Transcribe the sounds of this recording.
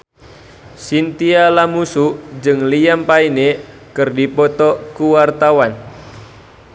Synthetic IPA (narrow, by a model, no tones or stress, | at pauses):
sint̪ialamusud͡ʒɨŋliampaine | kɨrdipɔt̪ɔkuwart̪awan